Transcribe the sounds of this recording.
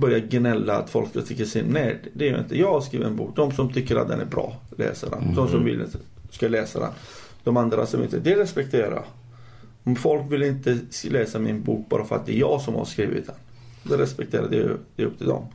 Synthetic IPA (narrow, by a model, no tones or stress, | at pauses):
bœɾjaɡnɛlːa̰ːt̪fɔlkskat̪ʰɪkːəʂɪnnɛːɖ̪ɛɛɾjɵɪ̰nt̪əjɑːɡaskɾiːvɪɛnbṵːk̚d̪ɔmsɔmt̪ʰʏkːəɾa̰t̪̚d̪ɛnæɾbɾɑ̰ːlɛ̰ːsad̪ɛ̰nd̪ɔmsɔmvɪlɪ̰nt̪ə | skalɛːsad̪ɛ̰n | d̪̥ɔmand̪ɾa̰sɔmɪ̰nt̪əd̪ɛɾɛspɛkt̪ʰeːɾa̰ | fɔlkvɪlɪnt̪əlɛːsamɪnbuːk̚bɑːɾafœɾa̰t̪̚d̪ɛɛɾjɑːɡsɔmha̰ɾskɾiːvɪ̰t̪d̪ɛn | d̪ɛɾɛspɛkt̪ʰeːɾad̪ɛjd̪ɛɵp̚ːt̪ʰɪld̪ɔ̰m